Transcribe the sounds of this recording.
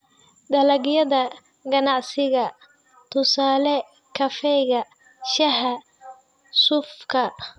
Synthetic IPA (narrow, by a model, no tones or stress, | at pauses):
d̪ɐlɐɡjɐðɐ | ɡɐnɑʕsɪɣɐ | t̪ʰʊsaːlɛ | kʰɐfɛjɣɐ | ʃɐɦɐ | sʊfkʰɐ